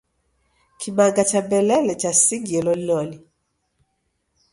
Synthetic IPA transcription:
kʰiɓaɡat͡ʃabɛlɛlɛt͡ʃasiɡiɛlɔlilɔli

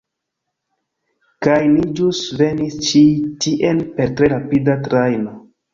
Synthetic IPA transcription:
kajnid͡ʒusve̞nist͡ʃitiʔenpe̞ɾtɾe̞ɾapidatɾajno̞

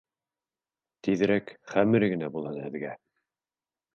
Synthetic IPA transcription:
t̪iðɘ̆ɾækχæmɘɾɡɘ̆næbulˠɑnæðɡæ

